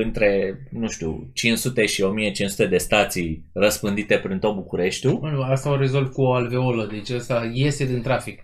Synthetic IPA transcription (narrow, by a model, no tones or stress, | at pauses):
ɨnt̪ɾe̞nũʃt̪ʲṵt͡ʃinsut̪e̞ʃio̞mije̞t͡ʃinsu̥t̪e̞d̪e̞st̪at̪sij | rəspɨnd̪it̪e̞pɾint̪o̞t̪̚bukuɾe̞ʃt̪ʲunast̪auɾezolt̪̚kuoalveoləd̪et͡ʃast̪ajest̪ed̪int̪ɾafik